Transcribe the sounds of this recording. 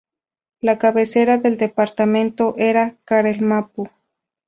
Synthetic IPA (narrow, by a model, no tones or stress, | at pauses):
lakaβeseɾaðeld̪epaɾt̪amẽnt̪oʔeɾakaɾelmapu